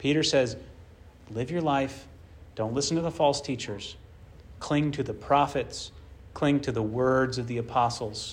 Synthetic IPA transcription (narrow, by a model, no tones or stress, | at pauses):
pʰiɾə˞sɛz | lɪvjə˞laɪf | d̥õʊ̃ntˡlɪsn̩tʰɨðəfɔlˠstʰit͡ʃə˞z̥ | kʰl̥ɪ̃ŋtʰɨðɨpʰɹ̥ɑfɨtskʰl̥ɪ̃ŋtʰɨðəwɜ˞dzʌvðiɨpʰɑsl̩ˠz̥